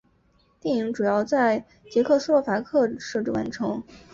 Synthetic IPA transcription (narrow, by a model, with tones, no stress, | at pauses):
t̪ji˥˩ŋi˧˥ŋʈ͡ʂu˨˩jɑ˥˧ʊt͡sa˥˩ɪ | t͡ɕjɛ˧˥kʰɤ˥˧s̩˥˩lwɔ˥˩fa˧˥kʰɤ˥˩ʂɤ˥˧ʈ͡ʂɻ̩˥˩wa̰˧˥nʈ͡ʂʰɤ˧˥ŋ